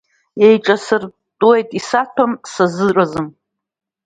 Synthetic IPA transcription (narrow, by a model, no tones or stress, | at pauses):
jejʈ͡ʂʼasɨr | tʼuejtʼisatʰomsazɨrʼazɨm